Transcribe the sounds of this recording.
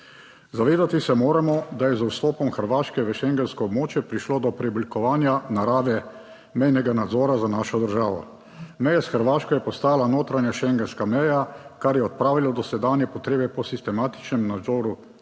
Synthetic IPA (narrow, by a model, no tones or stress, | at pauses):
zaʋeːd̪at̪isɛmoːɾamɔd̪ajɛzuwst̪ɔːpɔmxəɾʋaːʃkɛʋəʃɛŋɡɛnskɔɔbmoːt͡ʃjɛpɾiʃloːd̪ɔpɾɛɔblikɔʋaːnjanaɾaːʋɛ | mɛjnɛɡanad̪zɔːɾazanaːʃɔd̪əɾʒaːʋɔ̰ | mɛjasxəɾʋaːʃkɔjɛpɔst̪aːlanoːt̪ɾanjaʃɛŋɡɛnskamɛjakaɾjɛɔt̪̚pɾaːʋilad̪ɔsɛd̪aːnjɛpɔt̪ɾeːbɛpɔsist̪ɛmaːt̪i̥t͡ʃnɛmnad̪zɔːɾu